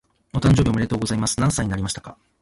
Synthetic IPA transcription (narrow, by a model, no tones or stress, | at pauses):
not̪ãɲ̟d͡ʑo̞ːbʲio̞miɾe̞t̪oːɡo̞zaimasɨ̥nãɰ̃saiɲ̟inaɾʲimaɕi̥t̪ḁka